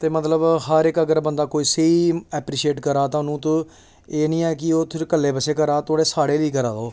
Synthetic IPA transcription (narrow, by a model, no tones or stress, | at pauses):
t̪eːmət̪ləbɦəɾɪkəɡəɾbənd̪aːkoːiːseiːɛːpɾiːʃeːʈkəɾaːt̪ãːʊnũːt̪õ | eːnĩːɛːkɪoːt̪ʰɪɾkəlːeːpəseːkəɾaːt̪oːɽeːsaːɽeːliːk̬əɾaːd̪oː